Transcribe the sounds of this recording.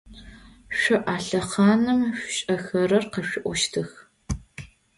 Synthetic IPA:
ɕʷɪʔaːɬɐχɑːnɨmɕʷɕʼɐxɐrɐrqɐɕɪʔʷɔʃtʰɨx

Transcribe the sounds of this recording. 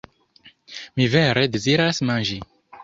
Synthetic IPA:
miveɾe̞de̞ziɾasmand͡ʒi

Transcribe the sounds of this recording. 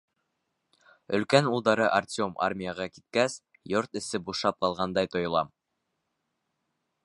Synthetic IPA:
ɵ̆lkænulˠd̪ɑɾɤʔartʲo̞mʔa̰rmʲijəʁɑkit̪̚kæs | joɾt̪ɘ̆sɘbuʃɑp̚qɑlˠʁɑnd̪ɑjt̪ŏj̆lˠɑ̰m

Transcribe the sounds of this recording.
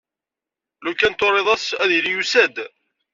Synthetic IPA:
lukːænt̪ːoɾˤːeðˤɑsæðilijusæd̪

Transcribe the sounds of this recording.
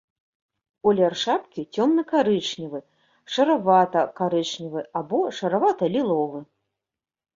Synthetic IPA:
ɔlʲɛrʂapkʲit͡sʲɔmnɨkaɾɨt͡ʂnʲivɨ | ʂɐɾavat̪ɐkaɾɨt͡ʂnʲivɨabɔʂɐɾavat̪ɐlʲilˠɔvɨ

